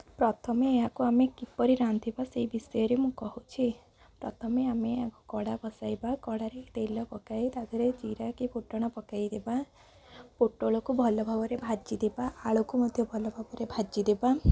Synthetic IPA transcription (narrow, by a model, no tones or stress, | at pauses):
pɾɔt̪ʰɔmeːɦakuamekipɔɾiɾant̪ibaseibisɔjɔɾemũkɔɦut͡ʃʰi | pɾɔt̪ʰɔmeameakukɔɽabɔsajbakɔɽaɾet̪elɔpɔkajt̪aɡ̪ʰʱɔɾed͡ʒiɾakipoʈːɔɽ̃ɔpɔkajd̪eba | poʈːoɭɔkubʱɔlɔbʱabɔɾebʱad͡ʒid̪ebaːɭɔkumɔd̪ʱjɔbʱɔlɔbʱabɔɾebʱad͡ʒid̪eba